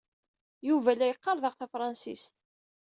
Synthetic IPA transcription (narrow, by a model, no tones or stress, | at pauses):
juvælːæjəqːɑɾˤðəʁθæfɾˤɑnsist̪